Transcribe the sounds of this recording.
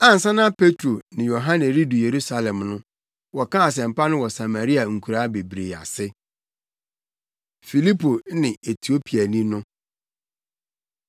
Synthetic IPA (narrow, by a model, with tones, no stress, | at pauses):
ã˦n̩˨sã˦nã˦pʰe˦tʰɾo˨nɪ̃˨jo˨ɦã˦nɛ˨ɾi˦du˨je˨ɾu˦sa˨lɛ̃˨mnʊ̃˦ | wɔ˨kã˦a˨s̬ɛ̃˨m̩˨pa˦nʊ̃˦wɔ˨sa˨ma˨ɾi˦a˨ŋ̩˨kʰu˨ɾa˦be˨bɾe˨a̰˨sɪ˦ | fi˨li˦pʰo˨˦nɪ̃˨e˨tʰi˨o˦pʰi˨a˨nĩ˦nʊ̃˦